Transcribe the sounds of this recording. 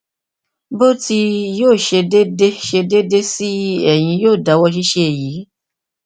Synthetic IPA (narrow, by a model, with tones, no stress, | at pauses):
bo˦ti˧joː˦˨ʃe˧de˦de˦ʃe˧de˦de˦si˦ɛ˦˨j̃ĩ˧joː˦˨da˨˦wɔ˧ʃ̬i˦ʃe˦˧˨ji˨˦